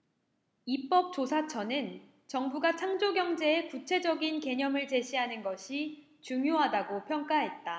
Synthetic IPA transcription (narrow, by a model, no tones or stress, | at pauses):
ip͈ʌp̚t͡ɕ͈osʰat͡ɕʰʌnɯn | t͡ɕʌŋbuɡat͡ɕʰaŋd͡ʑoɡjʌŋd͡ʑe̞ekut͡ɕʰe̞d͡ʑʌɡinke̞ɲʌmɯɭt͡ɕe̞ɕʰiɦanɯnɡʌɕʰi | t͡ɕuŋjoɦadaɡopʰjʌŋk͈aɦe̞t̚t͈a